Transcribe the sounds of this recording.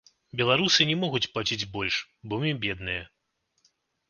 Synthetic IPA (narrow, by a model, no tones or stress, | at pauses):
bʲɛlˠaɾusɨnʲɛmɔɣut͡sʲplˠat͡sʲid͡zʲbɔlʲʂ | bɔmʲibʲɛd̪nɨjɐ